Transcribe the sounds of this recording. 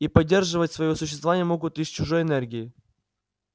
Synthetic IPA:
ipɐdʲːe̞rʐɨvətʲsvɐjosʊɕːɪst̪vɐvanʲɪjəmo̞ɡʊt̪isʲt͡ɕʊʐojɛnɛrɡʲɪɪ

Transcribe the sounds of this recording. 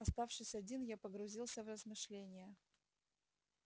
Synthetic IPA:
ɐst̪afʂɨsʲɐdʲinjapəɡɾʊzʲilˠsʲəvrəzmɨʂlʲenʲɪjə

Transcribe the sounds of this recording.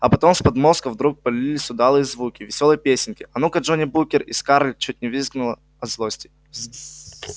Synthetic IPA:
ɐpɐt̪omspɐd̪mo̞skəvd̪ɾuk̚pəlʲɪilʲɪsʲʊd̪alˠɨjəzvukʲɪvʲɪsʲolˠəjəpʲesʲɪnʲkʲɪʔɐnukɐʐonʲɪbukʲɪriskaɾlʲt͡ɕut̚ʲnʲɪvɨzɡnʊlˠə | ɐzlˠosʲtʲɪ̥

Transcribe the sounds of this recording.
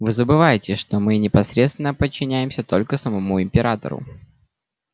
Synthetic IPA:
vɨzəbɨvajɪtʲɪʂt̪o̞mɨnʲɪpɐsɾʲet̪st̪vʲɪnːəpət͡ɕːɪnʲæjɪmsʲət̪o̞lʲkəsəmɐmuɪmʲpʲɪɾat̪ə̰ɾʊ̰

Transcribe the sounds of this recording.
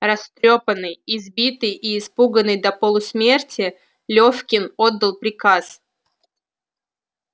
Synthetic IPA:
rɐst̪ɾʲopənːɨjɪzbʲit̪ɨjɪːspuɡənːɨjd̪ɐpolˠʊsmʲe̞rtʲɪ | lʲofkʲɪnod̪ːəlˠpɾʲɪkas

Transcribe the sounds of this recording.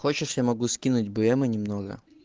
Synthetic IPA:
xɔt͡ʃɪʂjamɔɡuskʲinʊtʲbʊjɛmɛnʲimnɔɣɐ̰

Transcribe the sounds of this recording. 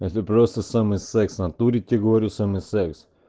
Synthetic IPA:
ɛt̪ɛpɾɔst̪əsamɛsɛksnat̪uɾicɛɡɔɾusəmɛsɛks

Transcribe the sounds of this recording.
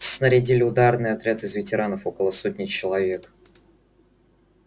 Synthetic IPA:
snəɾʲɪdʲilʲɪʊd̪arnɨjɐt̪ɾʲat̪ɨzvʲɪtʲɪɾanəfokəlˠəsot̚ʲnʲɪt͡ɕɪlˠɐvʲe̞k

